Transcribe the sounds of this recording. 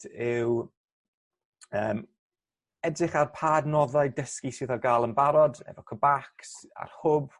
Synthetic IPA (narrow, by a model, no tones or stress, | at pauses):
ɪw | əːm | ɛdrɪχarpʰaːdnɔðaɨdəskisɪðɔɡaːlˠənbaɾɔdɛ̰vɔkʰəbaksa̰rhʊb